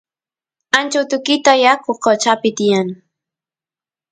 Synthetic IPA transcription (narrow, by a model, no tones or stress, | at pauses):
ant͡ʃawt̪ʊkɪt̪ajakʰoqot͡ʃapɪt̪ɪjaŋ